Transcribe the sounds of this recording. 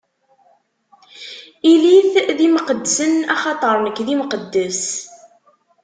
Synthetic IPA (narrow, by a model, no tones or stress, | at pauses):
iliθðimqəd̪ːsənɑχɑt̪ˤəɾˤnəkːðimqəd̪ːəs